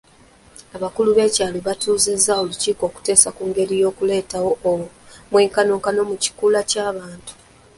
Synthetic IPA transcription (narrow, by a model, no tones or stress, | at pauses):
aβakuluβe̞ːcaːloβatuːze̞zːaoluciːko̞ːku̥te̞ːsakuŋɡe̞ɾijo̞ːkule̞ːtawo̞w | mweːŋkano̞ːŋkano̞muci̥kuːlacaːβaːntu̥